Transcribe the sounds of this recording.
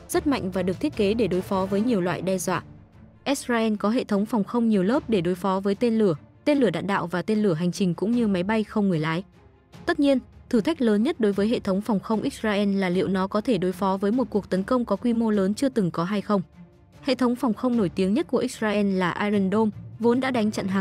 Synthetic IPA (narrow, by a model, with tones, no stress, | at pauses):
z̥ə˦˥t̚ma̰˧˨jŋ̟vaː˨˩ɗɨ˨˩ək̚t̪ʰi˦˥ət̚ke˨˦ɗe˧˩ɗo˨˦jfɔ˨˦vəː˨˦jɲi˨˩əwlwa̰ː˧˨jɗɛ˧zwa̰ː˧˨ | ʔi˦˥s̚zaː˧ʔɛ˧nkɔ˨˦ɦḛ˧˨t̪ʰə˨˦wŋ͡mfa˨˩wŋ͡mxə˧wŋ͡mɲi˨˩əwləː˦˥p̚ɗe˧˩ɗo˨˦jfɔ˨˦vəː˨˦jt̪e˧nlɨ˧˩ət̪e˧nlɨ˧˩əɗa̰ː˧˨nɗa̰ː˧˨wvaː˨˩t̪e˧nlɨ˧˩əɦa˨˩ŋ̟t͡ɕï˨˩ŋ̟kʊ̰˧˥ŋ͡mɲɨ˧ma˨˦jɓa˧jxə˧wŋ͡mŋɨ˨˩əjlaː˨˦j | t̪ə˦˥t̚ɲi˧ənt̪ʰɨ˧˩t̪ʰa˦˥jk̟̚ləː˨˦nɲə˦˥t̚ɗo˨˦jvəː˨˦jɦḛ˧˨t̪ʰə˨˦wŋ͡mfa˨˩wŋ͡mxə˧wŋ͡mʔi˦˥zaː˧ʔɛ˧nlaː˨˩lḭ˧˨ə˨wnɔ˨˦kɔ˨˦t̪ʰe˧˩ɗo˨˦jfɔ˨˦vəː˨˦jmo˨˩t̚ku˨˩ək̚t̪ə˨˦nkə˧wŋ͡mkɔ˨˦kwi˧mo˧ləː˨˦nt͡ɕɨ˧ət̪ɨ˨˩ŋkɔ˨˦ɦa˧jxə˧wŋ͡m | hḛ˧˨t̪ʰə˨˦wŋ͡mfa˨˩wŋ͡mxə˧wŋ͡mno˧˩jt̪i˨˦əŋɲə˦˥t̚ku˧˩ʔi˦˥zaː˧ʔɛ˧nlaː˨˩ʔaː˧zə˧˩nɗo˧mvo˨˦nɗa̰ː˧˥ɗa˨˦jŋ̟t͡ɕə̰˧˨nɦaː˨˩ŋ